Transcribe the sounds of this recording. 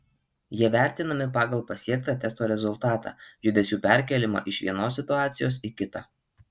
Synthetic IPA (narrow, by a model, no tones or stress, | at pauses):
jiɛʋʲæˑɾʲt̪ʲɪnɐmʲɪpɑːɡɐlˠpɐsʲiɛk̚t̪ɑːt̪ʲɛst̪oːɾʲɛzʊlˠˑt̪ɑːt̪ɑ̰ːjʊd̪ʲɛsʲuːpʲæˑɾʲkʲɛlʲɪmɑ̰ːʔɪʃʋʲiɛnoːsːʲɪt̪ʊɑːt̪sʲɪjoːs̬iˑkʲɪt̪ɑ